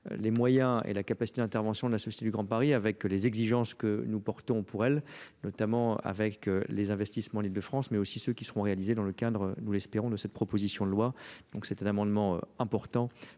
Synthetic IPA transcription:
lemwajɛ̃ḛlakapasit̪ed̪ɛ̃t̪ɛʁvɑ̃sjɔ̃d̪əlasɔsjet̪ed̪yɡʁɑ̃paʁiavɛklezɛɡziʒɑ̃skənupɔʁt̪ɔ̃pʰuʁɛlnɔt̪amɑ̃a̰vɛklezɛ̃vɛst̪ismɑ̃lild̪əfχɑ̃smɛosisøkʲisəʁɔ̃ʁealized̪ɑ̃ləkad̪ʁənulɛspeʁɔ̃d̪əsɛt̪̚pχɔpozisjɔ̃d̪əlwad̪̥ɔ̃ksɛt̪ɛ̃namɑ̃d̪mɑ̃ø̰ɛ̃pɔʁt̪ɑ̃

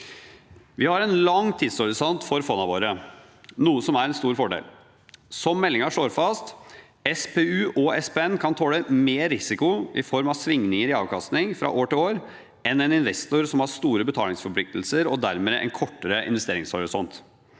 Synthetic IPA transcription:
ʋɪhɑɾɛnlɑŋːt̪ʰiːd̪sɔɾɪsɔnt̪fɔɾfɔnːɑʋoːɾə | nuːəsɔmæɾɛnst̪uːɾfɔɖḛːl | sɔmːɛlːɪŋɑʂɭoːɾfɑst̪ | ɛspʰeːʉːʔɔʔɛspeːɛnːkʰɑnt̪ʰɔləmeːɾɪsɪkʊɪ̰fɔɾmɑʋsʋɪŋnɪŋəɾɪɑ̰ːʋkʰɑst̪nɪŋfɾɑ̰ʔoːʈɪloːɾ | ɛnɛnɪnʋɛst̪ʊɾsɔmhɑɾst̪uːɾəbət̪ʰɑːlɪŋsfɔɾpʰlɪk̚t̪l̩səɾɔd̪æɾmeːʔɛ̰nkʰɔʈːəɾəʔɪ̰nʋɛst̪eːɾɪŋshɔɾɪsɔnt̪

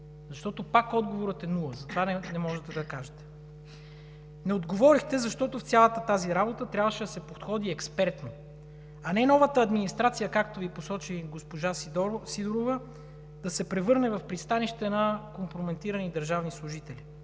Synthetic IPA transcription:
zɐʃt̪ɔt̪opakɔd̪ɡovoɾət̪ɛnulˠəzɐt̪ovanɛnɛmɔʒɛt̪ɛd̪ɐkaʒɛt̪ɛ̥ | nɛod̪ɡovɔɾixt̪ɛzɐʃt̪ɔt̪oft̪ʲjalˠət̪ət̪aziɾabot̪ət̪ɾʲabvəʃɛd̪ɐsɛpot̪xɔd̪iɛkspɛɾt̪no | ɐnɛnɔvət̪əɐd̪minist̪ɾat̪sijəkakt̪oviposɔt͡ʃiɡospoʒasid̪oɾovə | d̪̥ɐsɛpɾɛvɤɾnɛvɐfpɾist̪aniʃt̪ɛnɐkompɾomɛnt̪iɾɐnid̪ɐɾʒavnislˠʊʒit̪ɛlʲi

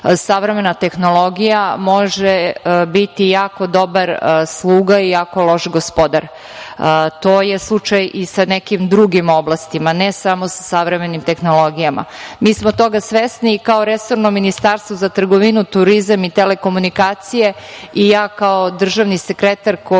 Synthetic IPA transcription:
saʋɾeme̞nat̪e̞xno̞lˠo̞ɡijamo̞ʒebit̪ijaːko̞d̪o̞baɾslˠuːɡaijaːkolˠo̞ʃɡospo̞d̪aɾ | t̪oːjeslˠut͡ʃajisanekimd̪ɾuɡimo̞blast̪imanesamosḁsaʋɾemenimt̪e̞xno̞lˠo̞ɡijama̰miːsmot̪o̞ɡasʋesnikaoɾesoɾnomːinist̪aɾst̪ʋozat̪r̩ɡo̞ʋinut̪uɾizamit̪eleko̞munikaːt̪sije̞ | ijaːkaod̪r̩ʒaʋnisekɾet̪aɾko

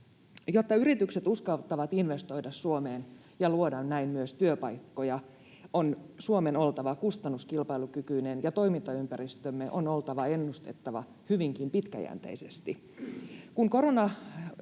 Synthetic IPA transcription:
jot̪ːɑyɾit̪ykse̞t̪uskɑlt̪ːɑʋɑt̪inʋe̞st̪o̞jdɑssuomeːn | jɑluodɑnnæimmyøst̪yøpɑjkːo̞jɑ | onsuome̞no̞lt̪ɑʋɑkust̪ɑnːuskilpɑjlukykyinenjɑt̪o̞imint̪ɑympæɾist̪ømːeʔo̞no̞lt̪ɑʋɑe̞nːust̪e̞t̪ːɑʋɑ̰ | hyʋiŋkimpit̪kæ̰jæ̰ːnt̪ḛise̞st̪i | kuŋko̞ɾonɑ

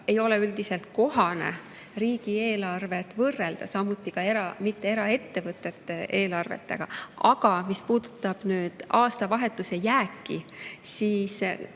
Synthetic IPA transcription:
e̞jo̞leyld̪ise̞lt̪̚ko̞ɦɑne̞̰ | riːɡ̥ie̞ːlɑrve̞t̪ːvɤrːe̞ld̪̥ɑsɑmːut̪ːˑikɑe̞ɾɑmit̪ːe̞e̞ɾɑe̞t̪ːe̞vɤt̪ːˑe̞t̪ːee̞ːlɑrve̞̰t̪ːḛɡ̥ɑ̰ɑɡ̥ɑmispuːd̪̥u̥t̪ːˑɑb̥nyːd̪̥ɑːst̪ɑvɑɦe̞t̪ːˑuse̞jæːkːisiːs

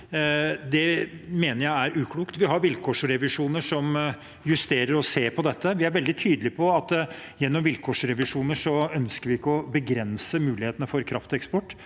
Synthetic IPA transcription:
d̪ɛmeːnəɾjæɪæɾʉːkʰluːkt̪ʋɪɦɑɾʋɪlkʰɔːʂɾɛʋɪʂuːnəʂɔm | jʉst̪eːɾəɾɔseːɾpʰɔd̪ɛt̪ʰːəʋɪæɾʋɛld̪ɪt̪ʰyːd̪əlɪpʰɔɑt̪jɛnːɔmʋɪlkʰɔːʂɾɛʋɪʂuːnəʂɔœnskəɾʋɪɪkːəɔbəɡɾɛnsəmʉːlɪheːt̪ənəfɔɾkʰɾɑft̪ɔɛkspɔʈː

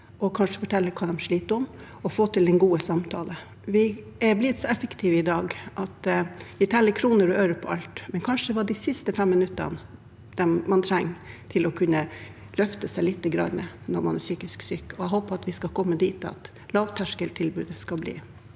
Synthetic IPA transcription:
ʔɔkʰɑnʂə̥fɔʈʰɛlːəkʰɑːd̪ɛmʂɭiːt̪əɔm | ɔfoːt̪ɪld̪ɛnɡuːəsɑmt̪ʰɑ̰ːlə | ʋɪ | ɛblɪd̪sɔɛfəkt̪ʰiːʋəɪd̪ɑːɡʔɑt̪ʋɪt̪ʰɛlːəkʰɾuːnəɾɔœːɾəpʰɔʔɑlt̪mɛnkʰɑnʂəd̪ɛʋɑɖɪsɪst̪əfɛmːɪnʉt̪ːə̰nə | d̪̥ɛnmɑnt̪ʰɾæŋːt̪ʰɪlɔkʰʉnːə | lœft̪əsæɪlɪt̪ːəɡɾɑ̰nːənɔɾmɑnæsyːkɪsksykːɔɛɦoːpəɑt̪ʋɪskɑkʰɔmːəd̪iːt̪ɑ̰t̪ | lɑːʋt̪ʰæʂkəlt̪ʰɪlbʉːd̪əskɑlblḭː

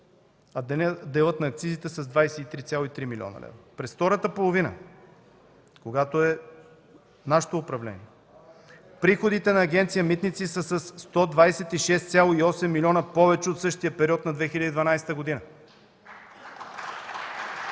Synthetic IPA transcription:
ɐd̪ɛnd̪ɛlˠɤt̪nɐːk̚t̪sizit̪ɛsɐzd̪vajsɛit̪ɾit̪sʲalˠoit̪ɾimil̰ʲɔ̰nɐ̰lɛ̰vɾopɾɛsft̪ɔɾət̪əpolˠovinə̰ | koɡat̪oɛ | naʃɛ̥t̪oːpɾɐvlɛ̰niɛ | pɾixod̪it̪ɛnɐːɡɛnt̪sijəmit̪nit̪sisəsɐsːt̪ɔd̪vajsɛt̪iʃɛst̪sjalˠoiɔsɛmːilʲɔnəpɔvɛt͡ʃɛot̪sɤʃt̪ijəpɛɾiɔt̪nɐd̪vɛxilʲəd̪iːd̪vɐnajsɛ̥t̪əɡod̪inə

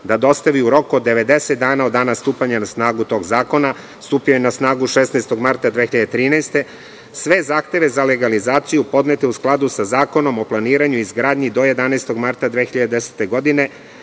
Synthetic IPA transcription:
d̪ad̪o̞st̪aʋiuɾo̞kod̪ːe̞ʋe̞d̪e̞set̪d̪aːnao̞d̪ːaːnast̪uːpaɲanasnaːɡut̪o̞ːɡzaːko̞na | st̪uːpiojenasnaːɡuʃesnaest̪o̞ɡmaɾt̪ad̪ʋeːxiʎad̪et̪ɾiːnajst̪e̞ | sʋe̞zaːxt̪e̞ʋe̞zale̞ɡalizaːt̪sijupo̞d̪net̪e̞usklˠad̪usazaːko̞no̞mo̞plˠaniːɾaɲuizɡɾaːd̪ɲid̪o̞je̞d̪anaest̪o̞ɡmaɾt̪ad̪ʋeːxiʎad̪d̪ese̥t̪e̞ɡo̞d̪ine̞

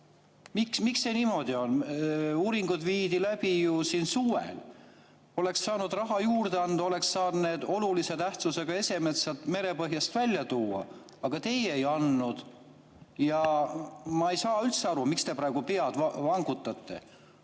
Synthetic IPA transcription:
miksmiksːeniːmo̞d̪̥io̞nuːɾiŋɡ̥ud̪viːd̪ilæb̥ijusiːnsuḛl | o̞le̞kssɑːnud̪rɑɦɑjuːrd̪eɑnd̪̥o̞le̞ksɑːd̪ne̞ːd̪̥o̞lulise̞t̪æht̪suse̞ɡ̥ɑe̞se̞met̪seɑlt̪me̞ɾe̞pɤ̞ɦjɑst̪vælʲːjɑt̪uːɑ̰ | ɑɡ̥ɑt̪e̞jejɑnːud̪̥ | jɑ | mɑejsɑːylt̪seɑɾumikst̪e̞pɾɑeɡ̥upeɑd̪̥vɑŋɡut̪ːˑɑt̪ːe̞̰

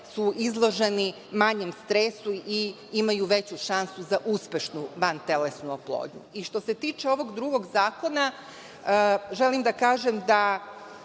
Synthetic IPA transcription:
suʔizlˠo̞ʒe̞ni | maɲemst̪ɾesui | imajuʋe̞t͡ɕuʃansuzaʔuspʲe̞ʃnuʋant̪e̞lesnuoplˠo̰ːdɲṵiʃt̪o̞se̞t̪iːt͡ʃe̞o̞ʋo̞ɡd̪ɾuɡo̞ɡzaːko̞na | ʒe̞limd̪akaːʒemd̪a

